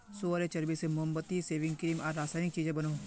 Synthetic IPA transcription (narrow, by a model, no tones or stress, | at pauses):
soɾet͡ʃɐɾbisemʊɦə̃mbət̪iseːʋɪ̃ŋɡkɾiːmɔːɾːaːsaːɪnɪk̚t͡ʃiːd͡ʒẽbɐnoː